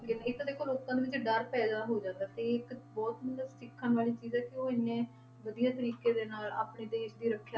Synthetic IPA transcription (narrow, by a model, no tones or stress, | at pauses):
kɪnːɪkːd̪eːkʰoːloːkãːd̪eʋɪt͡ʃɖəɾpɛːd̪aːɦoːd͡ʒãːnd̪aːt̪eːɪkbɔːt̪mət̪ləsɪkʰːənʋaːliːt͡ʃiːzɛːkɪoːɪnːẽː | ʋəd̪ijaːt̪̬əɾiːkeːd̪eːnaːla̰ːpɳeːd̪eːʃd̪iːɾəkʰːjaː